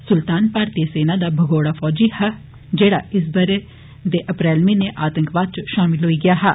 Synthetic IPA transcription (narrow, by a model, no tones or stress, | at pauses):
sʊlt̪aːnpaːɾt̪iəseːnaːd̪aːbʱəɡoːɽaːfʰɔːd͡ʒiːhɛ | d͡ʒeːɽa̰ːʔɪsbəɾeː | d̪eːʔəpɾɛːlʋĩːneːʔaːt̪ə̃ŋkʋaːd̪̚t͡ʃʃaːmɪlɦoːiːɡɪjaːɦɛː